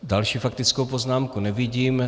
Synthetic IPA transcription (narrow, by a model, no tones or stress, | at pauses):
dalʃiːfak̚t̪ɪt͡skowpoznaːmkunɛvɪɟiːm